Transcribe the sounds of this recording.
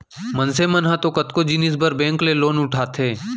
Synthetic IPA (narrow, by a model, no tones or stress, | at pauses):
mənsemənɦãt̪okət̪kod͡ʒinɪs̬bəɾbɛ̃ːŋkleloːnʊʈʰaːt̪ʰeː